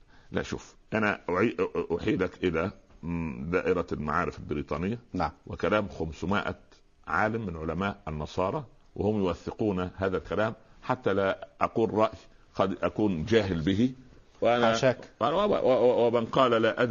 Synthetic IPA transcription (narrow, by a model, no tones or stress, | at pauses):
læ̰ʔʃṵːf | ʔanæʔʕiːʔʔʊħiːlakʔɪlæ | d̪aːʔɪɾælma̰ʕaːɾɪfalbɪɾiːt̪ˤɑːnɪjːanwɪkalæːmxʊmsmɪʔa̰ | ʕaːlɪmːɪnʕʊlamaːʔanːɑsˤɑːɾˤɑ | wʔɪhʊmjʊwaθːɪquːnɦaːðælkælaːmħat̪ːælaʔɑquːlɾˤɑʔjxɑd̪ʔakuːnd͡ʒaːɦɪlbɪɦi | wɪʔanæʃakwwwɪmanqɑːllaʔæd̪